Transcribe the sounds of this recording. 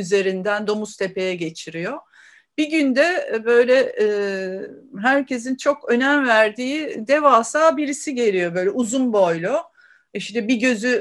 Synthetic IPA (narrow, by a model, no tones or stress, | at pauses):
yze̞ɾind̪ænd̪o̞must̪ʰe̞pe̞jɛɟe̞t͡ʃʰiɾijo̞ | b̥iɟynd̪ɛbø̞jlʲɛː | ɦæɾcʰe̞sint͡ʃʰo̞kø̞næmvæɾd̪iːd̪e̞vaːsaːbiɾisiɟe̞ɾʲijo̞bø̞jlʲɛuzunbojlʲˠo | iʃt̪ɛbiɟø̞zy